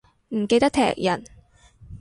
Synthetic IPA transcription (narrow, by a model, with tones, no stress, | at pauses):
m̩˨˩ke˧jt̪ɐ˥t̪ʰɛ̰ː˨˩k̚jɐ˨˩n